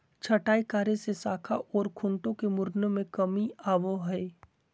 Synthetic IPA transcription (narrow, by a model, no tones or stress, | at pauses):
t͡ʃʰɐʈaːikaːɾesesaːkʰaʔɔːɾkʰʊ̃ɳʈõkemʊɾnəmẽkɐmiaːʋoɦɛe